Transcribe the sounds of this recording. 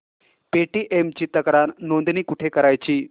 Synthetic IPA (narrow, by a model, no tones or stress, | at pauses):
peʈiːʔemt͡ɕiːt̪əkɾaɾnõnd̪niːkuʈʰekəɾajt͡ɕiː